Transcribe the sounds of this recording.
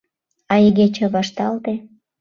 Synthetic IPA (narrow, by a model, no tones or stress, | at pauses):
ɑiɣet͡ɕĕβɑʃt̪ɑlt̪e